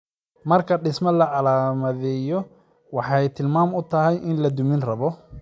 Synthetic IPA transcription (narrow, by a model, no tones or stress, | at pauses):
mɐrkʰɐɖɪsmɐlɐʕɑlaːmɐðɛjɔ | wɑħɑjt̪ʰɪlmaːmʊt̪ʰɐɦɛjʔɪnlɐd̪ʊmɪnrɐβɔ